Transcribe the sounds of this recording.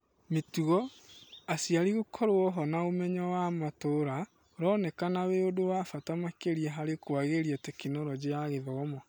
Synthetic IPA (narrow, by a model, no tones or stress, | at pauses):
metuɣɔasiaɾiɣokʰɔɾwɔɦɔnaomɛɲɔwamatoɾa | oɾɔːnɛkanaweodowafatamakeɾiɛɦaɾekwaɣeɾiɛtekinoɾɔd͡ʑeaɣeðɔɣɔma